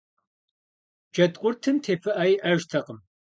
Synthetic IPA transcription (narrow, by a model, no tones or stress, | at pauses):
d͡ʒɐtʼqʷʼʊrtʰɨmtʰeːfɨʔɐjiʔɐʒtʰɐqəm